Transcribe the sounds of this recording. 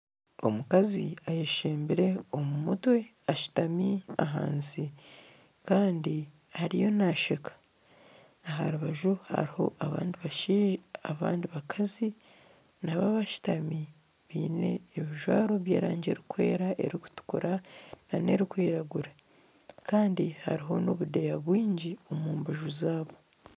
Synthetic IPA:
o̞̰mukazḭajeʃeːmbiɾe̞o̞mumutwe̞aʃu̥tamiaɦa̰ːnzi | kaːndi | haɾijo̞naʃekḁ | aɦaɾuβaʒuha̰ɾiho̞ʔaβa̰ːndiβaʃiʒaβa̰ːndiβakʰazi | naβaβaʃi̥tami | βiːne̞ːβiʒwaːɾo̞βjeːɾaːɲɟe̞ɾikwe̞ːɾaʔe̞̰ɾiku̥tu̥kuɾanane̞̰ɾikwiːɾaɡuɾa | kaːndiha̰ɾiɦo̞no̞βude̞jaβwiːɲɟio̞muːmbaʒuzaːβo̞

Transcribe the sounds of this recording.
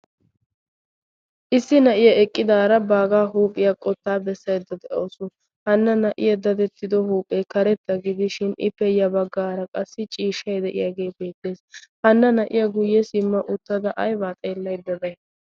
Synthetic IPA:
ʔɪsːɪnɐʔɪjɐɛkʼːɪd̪aːɾɐbaːɡaːɦuːpʼːɪjɐkʼɔt̪ːaːbɛsːɐjd̪ːɐd̪ɛʔoːsʊ | hɐnːɐnɐʔɪ̰jɐd̪ɐd̪ɛt̪ːɪd̪ɔhuːpʼːɛkɐɾɛt̪ːɐɡɪd̪ɪʃɪnɪ̰pːɛjɐbɐɡːaːɾɐkʼɐsːɪt͡ʃʼiːʃɐjd̪ɛʔɪ̰jaːɡe̞ːbeːt̪ːe̞ːshɐnːɐnɐʔɪ̰jɐɡʊjːɛsɪmːɐʔʊt̪ːɐd̪ɐʔɐjbaːt̪ʼeːlːɐjd̪ːɐd̪ɐj

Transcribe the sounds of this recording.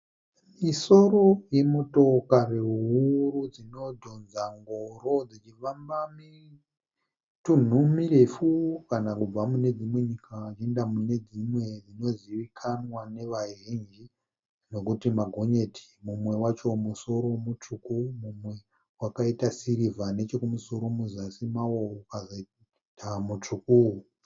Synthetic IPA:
miso̞ɾo̞je̞moto̞kareuɦurud͡zino̞dʱo̞nzaŋɡoro̞d͡zit͡ʃifambami | tun̤umiɾefukanakub͡vamune̞d͡zimwe̞ɲikʰat͡ʃiendamune̞d͡zimwe̞d͡zino̞ziʋikʰanwane̞ʋaʒind͡ʒi | no̞kutimaɡʱo̞ɲe̞tʰi̥mumwe̞wat͡ʃo̞muso̞ɾo̞mut͡ʂukumumwe̞ | wakaitasiɾivane̞t͡ʃe̞kumuso̞ɾo̞muzasimawoukazo | tʰamut͡ʂukuu

